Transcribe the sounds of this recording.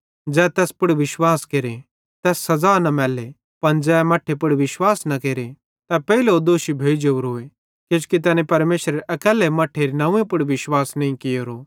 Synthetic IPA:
d͡ʒɛːt̪ɛːspʊɽʋɪʃwaːskeːɾe | t̪ɛːsːɐzaːnɐmɛːle | pɐnd͡ʒɛːmɐʈʰepʊɽʋɪʃwaːsnɐkeːɾe | t̪ɐpɛileod̪oːʃibʱeːd͡ʒoɾɦʊe | ked͡ʒkit̪̬ɛːnẽpɐɾmeːʃɾeʔɐkɛːlɛmɐʈʰːeɾinɐũẽpʊɽʋɪʃwaːsnɐ̃ĩkɪjoːɾoː

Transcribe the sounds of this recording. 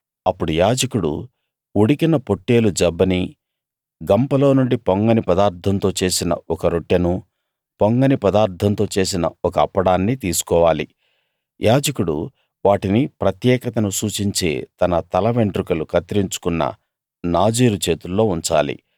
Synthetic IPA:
ɐpːuɽujaːd͡ʒɐkuɽṵ | uɽikinɐpo̞ʈːe̞ːlud͡ʒɐbːɐni | ɡɐmpɐlo̞ːnuɳɖipoŋɡɐnipɐd̪aːɾt̪ʰɐnt̪o̞ːt͡ʃe̞ːsinɐ̰ɔkɐɾoʈːɐnu | poŋɡɐnipɐd̪aːɾt̪ʰɐnt̪o̞ːt͡ʃe̞ːs̬inɐɔkɐːpːɐɽaːnːit̪iːsu̥kɔːʋaːlḭ | jʔaːd͡ʒɐkuɽṵ | ʋaːʈinipɾɐt̪jɛːkɐt̪ɐnusuːt͡ʃiɲt͡ʃḛːt̪ɐnɐt̪ɐlɐʋe̞ɳɖɾukɐlukɐt̪iɾiɲt͡ʃu̥kunːɐ̰ | naːd͡ʒiːɾut͡ʃe̞ːt̪ulːo̞ːuɲt͡ʃa̰ːlḭ

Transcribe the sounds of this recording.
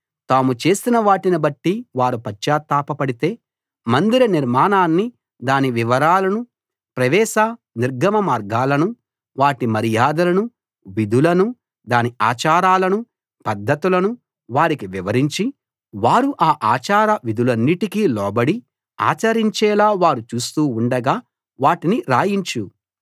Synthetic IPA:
t̪aːmut͡ʃe̞ːsinɐʋaːʈinɐbɐʈːiʋaːɾupɐt͡ʃːaːt̪ːaːpɐpɐɽit̪e̞ː | mɐnd̪iɾɐniɾmaːnaːnːi | d̪aːniʋiʋɐɾaːlɐnu | pɾɐʋɛːʃa | niɾɡɐmɐmaːɾɡaːlɐnu | ʋaːʈimɐɾijaːd̪ɐlɐnu | ʋid̪ʱulɐnu | d̪aːnia̰ːt͡ʃaːɾaːlɐnu | pɐd̪ʱːɐt̪ulɐnu | ʋaːɾikiʋiʋɐɾiɲt͡ʃi | ʋaːɾuʔaːʔaːt͡ʃaːɾɐʋid̪ʱulɐnːiʈikiːlɔːbɐɽi | a̰ːt͡ʃɐɾiɲt͡ʃɛːlaːʋaːɾut͡ʃuːst̪uːɳɖɐɡaː | ʋaːʈiniɾaːjiɲt͡ʃu

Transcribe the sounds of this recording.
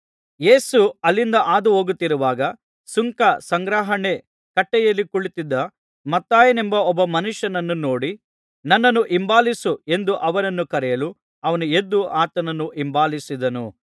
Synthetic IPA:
je̞ːsuɐlːind̪ɐʔaːd̪uɦoːɡut̪ːiɾuʋaːɡɐ | suŋkɐsɐŋɡɾaːɦɐɳe̞ | kɐʈːɛjɐlːikuɭit̪id̪ːɐ | mɐt̪ːaːjɐnembɐɔbːɐmɐnuʂjɐnɐnːuno̞ːɽi | nɐnːɐnːuʔimbaːlisue̞nd̪uʔɐʋɐnɐnːukɐɾɛjɐlu | ɐʋɐnue̞d̪ːuʔaːt̪ɐnɐnːuʔimbaːlisid̪ɐnṵ

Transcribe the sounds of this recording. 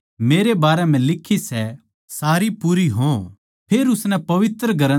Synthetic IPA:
meːɾebaːɾɛm̤ɛ̃lɪkʰːisɛ | saːɾipuːɾiɦõ | pʰeːɾʊsnɛpɐʋɪt̪ɾəɡʱɐɾə

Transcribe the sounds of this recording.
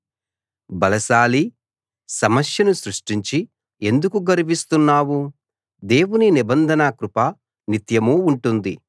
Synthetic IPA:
bɐlɐʃaːli | sɐmɐʃjɐnusɾuʂʈiɲt͡ʃi | e̞nd̪ukuɡɐɾubist̪unːaːwu | d̪e̞ːwuninibɐnd̪ʱɐnakɾupɐ | nit̪jɐmuːɳʈund̪i

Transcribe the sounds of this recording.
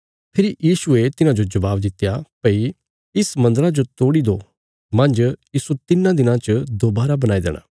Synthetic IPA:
pʰɪɾijiːʃʊet̪ɪnãd͡ʒod͡ʒɐʋaːbd̪ɪt̪ːjapəi | ɪsmɐ̃nd̪əɾad͡ʒot̪oːɽid̪oː | mɐ̃nd͡ʒjiːsut̪ɪnãd̪ɪnãt͡ʃəd̪oːbaːɾabɐnaːid̪ḛːɽʔa̰ː

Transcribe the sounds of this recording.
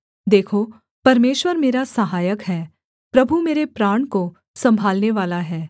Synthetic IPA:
d̪eːkʰo | pɐɾmeːʃwəɾmeːɾasɐɦaːjəkɦɛː | pɾɐbʱumeːɾepɾaːɳ̃ko | sɐ̃mbʱaːlneʋaːlaɦɛː

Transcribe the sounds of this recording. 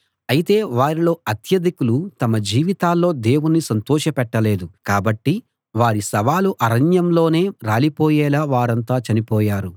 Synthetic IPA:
ɐjit̪e̞ːʋaːɾilo̞ːɐt̪ʰjɐd̪ikulut̪ɐmɐd͡ʒiːʋit̪aːlːo̞ːd̪e̞ːwunːisɐnt̪ɔːʃɐpɛʈːɐle̞ːd̪ukaːbɐʈːi | ʋaːɾisɐʋaːluʔɐɾɐɲjɐmlo̞ːne̞ːɾaːlipɔːjɛːlaːʋaːɾɐnt̪aːt͡ʃɐnipɔːjaːɾu

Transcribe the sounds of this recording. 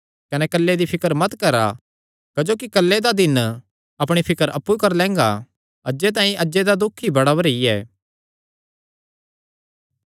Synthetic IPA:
kɐnɛkɐlːed̪ipʰɪkəɾmɐt̪kɐɾa̰ | kɐd͡ʒoːkikɐlːed̪ad̪ɪn | ɐpɽ̃ipʰɪkəɾɐpːukɐɾlɛ̃ːŋɡa̰ | ɐd͡ʒet̪ãːĩʔɐd͡ʒed̪ad̪ʊkʰːibɐɽaɐɾiɛ̰ː

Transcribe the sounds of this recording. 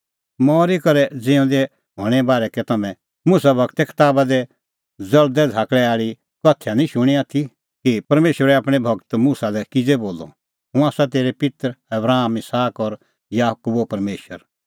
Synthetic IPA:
mɔːɾikɐɾɛd͡zɪ̃ũd̪ɛ | ɦoːɽ̃ɛ̃baːɾɛkɛt̪ɐmɛ̃ | mʊsabʱɐkt̪ɛkʰɪ̥t̪aːbad̪ɛ | d͡zɐld̪ɛd͡zʱaːkɭɛaːɭi | kɔt̪ʰjanĩʃʊɽ̃iaːt̪ʰi | kipɐɾmeːʃʋəɾɛaːpɽ̃ɛbʱɐɡt̪musalɛkɪd͡zeboːlɔ̰ | ɦũaːsat̪eːɾɛpɪt̪ɾɐbɾaːmɪsaːkɔɾ | jaːkuːbopɐɾmeːʃə̰ɾ

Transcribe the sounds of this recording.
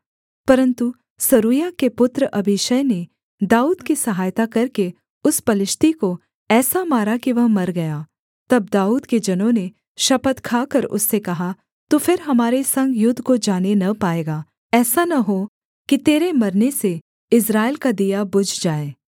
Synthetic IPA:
pɐɾə̃nt̪u | sɐɾuːjakepʊt̪ɾəʔɐbɪʃəjne | d̪aːuːd̪kisɐɦaːjt̪akɐɾke | ʊspɐlɪʃt̪iko | ɛːsamaːɾakiʋɐɦmɐɾɡɐjaː | t̪ɐb̚d̪aːuːd̪ked͡ʒɐnõne | ʃɐpət̪kʰaːkɐɾʊ̰sːekɐɦa | t̪ufɪɾɦɐmaːɾesɐ̃ŋɡjʊd̪ʱːkod͡ʒaːnenɐpaːeːɡaː | ɛːsanɐɦo | kit̪eːɾemɐɾnese | ɪs̬ɾaːɪlkad̪ijabʊd͡ʒʱd͡ʒaːeː

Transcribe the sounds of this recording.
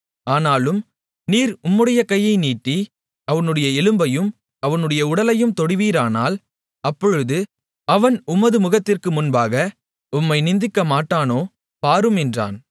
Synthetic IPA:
aːnaːlɯm | niːɾʊmːɯɽɐjɐkɐjːɐɪniːʈːi | ɐʋɐnɯɽɐjɐɛlɯmbɐjɯm | ɐʋɐnɯɽɐjɐʊɽɐlɐjɯmt̪ɔɽɪʋiːɾaːnaːl | ɐpːɔɻɯðɯ | ɐʋɐnʊmːɐðɯmʊɣɐt̪ːɪrkɯmʊnbaːɣɐ | ʊmːɐɪnɪnd̪ɪkːɐmaːʈːaːnoː | paːɾɯmɛndra̰ːn

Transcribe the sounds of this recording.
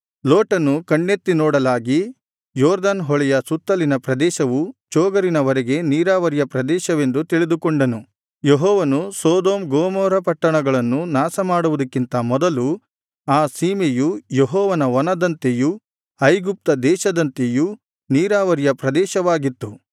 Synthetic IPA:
loːʈɐnukɐɳːet̪ːinɔːɽɐlaːɡi | jɔːɾd̪anɦɔɭɛjɐsut̪ːɐlinɐpɾɐd̪ɛːʃɐʋut͡ʃɔːɡɐɾinɐʋɐɾeɡe̞niːɾaːʋɐɾijɐpɾɐd̪ɛːʃɐʋe̞nd̪ut̪iɭid̪ukɔɳɖɐnu | jeɦɔːʋɐnusɔːd̪oːmɡoːmɔːɾɐpɐʈːɐɳɐɡɐɭɐnːunaːsɐmaːɽuʋud̪ɐkːint̪ɐmɔd̪ɐlu | aːsiːmejujeɦɔːʋɐnɐʋɔnɐd̪ɐnt̪eju | ɐjɡup̚t̪ɐd̪ɛːʃɐd̪ɐnt̪eju | niːɾaːʋɐɾijɐpɾɐd̪ɛːʃɐʋaːɡit̪ːu

